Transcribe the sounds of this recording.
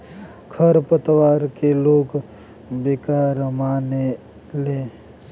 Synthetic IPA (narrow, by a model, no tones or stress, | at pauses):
kʰəɾpət̪waːɾkeloːɡ | bɪkaːɾmaːne | le